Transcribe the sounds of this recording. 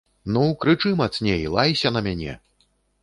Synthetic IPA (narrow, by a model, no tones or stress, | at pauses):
nukɾɨt͡ʂɨmɐt̪snʲejlˠajsʲɐnɐmʲanʲɛ̰